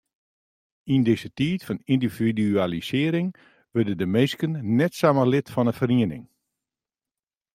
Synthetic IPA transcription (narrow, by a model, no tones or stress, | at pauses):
indɪzətiːtfɔnindividyalisɪəɾɪŋ | ʋørdədəmejskənnɛtsaməlɪtfɔnəfəriənɪ̰ŋ